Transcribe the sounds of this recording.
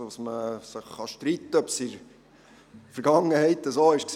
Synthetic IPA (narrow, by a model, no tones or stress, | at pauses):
sməsəχːɑʃtɾit̪ːəœpsɪɾ | fəɾɡ̥ɑŋːəhɛɪt̪əsoɪʃks